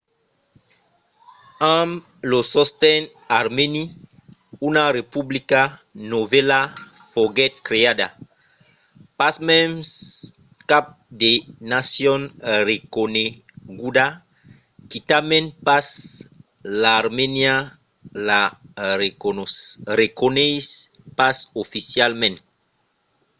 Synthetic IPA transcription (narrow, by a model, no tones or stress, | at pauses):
ãm | losɔst̪ɛn | aɾmeni | unarepublikanovɛla | foɡɛt̪̚kɾeada̰ | pasmɛms | kap̚d̪enasjɔnrekone | ɡuda | kit̪amẽnpas | laːɾmenja | la | rekonejs | pasofisjalmẽnt